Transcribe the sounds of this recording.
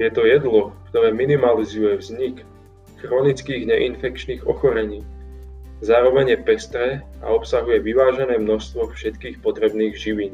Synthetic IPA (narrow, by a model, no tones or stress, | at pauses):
jɛt̪ɔjɛd̪lɔkt̪ɔɾɛːminimalizujɛʋzɲik | xɾɔnit͡skiːɣɲɛʔinfɛkt͡ʃniːɣɔ̰xɔɾɛɲiː | zaːɾɔʋɛɲjɛpɛst̪ɾɛa̰ɔpsaɦujɛʋiʋaːʒɛnɛːmnɔʃst̪ʋɔfʃɛt̪kiːxpɔt̪ɾɛbniːɣʒiʋiɲ